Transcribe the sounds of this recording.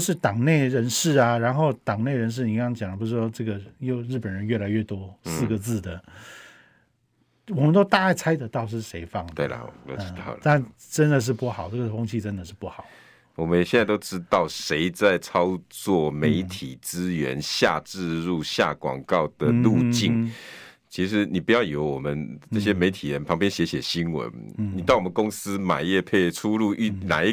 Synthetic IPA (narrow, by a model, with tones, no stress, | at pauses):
ʂɻ̩˥˩t̪ɑ˨˩ŋne˥˩ɪɻə˧˥nʂɻ̩˥˩ɐ˩ɻa˧˥nxo˥˩ʊt̪ɑ˨˩ŋne˥˩ɪɻə˧˥nʂ̬ɻ̩˥˩ni˨˩ɑ˥˩ŋt͡ɕjɑ˨˩ŋd̪ə˧pu˧˥ʂ̩˥ʂɔ˥ʈ͡ʂɤ˥˩ɡə˩jo˥˧ʊɻ̩˥˩pə˨˩nɻə˧˦nɥɛ˥˩la˧˥ɪɥɛ˥˩t̪wɔ˥sɹ̩˥˩ɡə˩t͡sɹ̩˥˩d̪ə˩ | wɔ˨˩mə˨˦nt̪o˥ʊt̪a˥˧a˥˩ɪt͡sʰa˥ɪt̪ə˧˦t̪ɑ˥˧ʊʂ̬ɻ̩˥˩ʂe˧˥ɪfɑ˥˩ŋwe˥˩lə̰˩˧ɑ˥˨˩a˥˩n | ʈ͡ʂə˦˥nd̪ə˨ʂ̬ɻ̩˥˧pu˥˩xɑ˨˩ʊʈ͡ʂɤ˥˩ɡə˨˩fo˥ŋt͡ɕʰi˥˧ʈ͡ʂə˦nd̪ə˨ʂ̬ɻ̩˥˧pu˥˩xɑ˨˩˦ʊ | wɔ˨˩mə˦njɛ˨˩ɕjɛ˥˧nt͡sa˥˧ɪt̪o˥ʊʈ͡ʂɻ̩˥t̪ɑ˥˩ʊʂe˧˥ɪt͡sa˥˩ɪt͡sʰɑ˥ʊt͡swɔ˥˩me˧˥ɪt̪ʰi˨˩t͡sɻ̩˦˥ɥɛ˧˦nɕja̰˥˧ʈ͡ʂɻ̩˥˧ɻu˥˧ɕja̰˥˨˩kwɑ̰˨˩ŋkɑ˥˩ʊd̪̥ə˨˩lu˥˧t͡ɕi˥˩n | t͡ɕʰi˧˥ʂɻ̩˧˦ni˨˩pu˧˥jɑ˥˩ʊjo˧˥ʊwɔ˨˩mə˦nnɤ˥˩ɕjɛ˥me˧˥ɪt̪ʰi˨˩ɻə˧˦npʰɑ˧˥ŋpjɛ˥nɕjɛ˧˥ɕjɛ˨˩ɕi˥nwə̰˧˦nni˨t̪ɑ˥˩ʊwɔ˨mə˦kʊ˥ŋs̩˥ma̰˨˩jɛ˥˧pʰe˥˩ɪʈ͡ʂʰu˥lu˥˧ʔna̰˨˩i˧˥